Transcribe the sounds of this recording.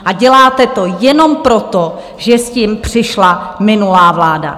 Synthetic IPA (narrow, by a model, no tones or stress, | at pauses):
ʔaɟɛlaːt̪ɛt̪o̞jɛno̞mpɾo̞t̪o̞ | ʒɛsciːmpr̥ɪʃlamɪnulaːvlaːda̰